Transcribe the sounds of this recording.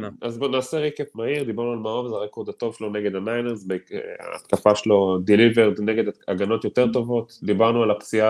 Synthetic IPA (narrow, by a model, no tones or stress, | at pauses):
azbonaːseʁikefmahiʁd̪ibaʁnualmaovzaʁeko̞ʁd̪at̪o̞vʃeloneɡe̞danajneʁsbea̰a̰t̪kafaʃelo̞d̪iliveʁd̪neɡe̞d̪aaɡano̞t̪jot̪e̞ʁt̪o̞vo̞t̪d̪ibaʁnualapt͡sia